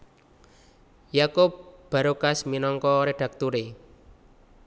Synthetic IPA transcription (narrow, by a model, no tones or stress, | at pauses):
jakop̚b̥a̤ɾokasminɔŋkɔɾeɖ̥ä̤k̚t̪uɾe